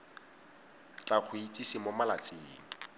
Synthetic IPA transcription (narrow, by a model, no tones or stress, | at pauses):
t͡ɬʼak͡xʰʊit͡sʼisimʊmalat͡sʼeːŋ̩